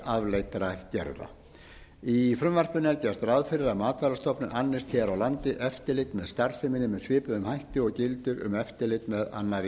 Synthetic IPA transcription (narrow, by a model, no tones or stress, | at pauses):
avlejt̪ɾajht̪cɛ̰ɾða̰ | ifɾʏmvɛr̥pʏnɛɾcɛst̪rawðfɪɾɪɾaðmaːt̪valast̪ʰɔpnʏanːɪst̪çɛɾawlant̪ɪʔɛft̪ɪlɪt̪nmɛðst̪aɾsɪmɪnɪmɛðsvɪːpʏðʏmhajht̪ɪɔɣcɪlt̪ʏɾʏ̰mɛft̪ɪlɪjt̪mɛða̰nːaɾ